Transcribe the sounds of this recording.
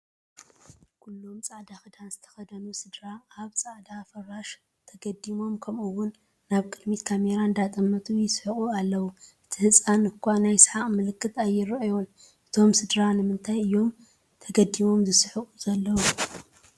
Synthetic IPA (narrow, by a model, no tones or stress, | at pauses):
kʰulːo̞mt͡sʼaʕd̪axɨd̪anzɨt̪ʰɐ̥xɐd̪ɐnusɨd̪ɾaaβt͡sʼaʕd̪afɐraʃ | t̪ʰɐɡɐd̪imo̞mkʰɐmɨwːʊnː | aβkʼɨd̪mit̪kʰame̞ɾaɨnd̪at̪ʼɐmːɐt̪ʼujɪsħɨχʼualːɐwuʔɨt̪ʰihɨt͡sʼanɨkʰʷːanajsħaʔʼmɨlɨkːɨt̪ajːɪɾɨʔjon | ʔɨt̪ʰo̞msɨd̪ɾanɨmɨnt̪ʰajɨjːo̞m | t̪ʰɐɡɐd̪ːimo̞mzɨsħɨkʼuzɐlːɐwu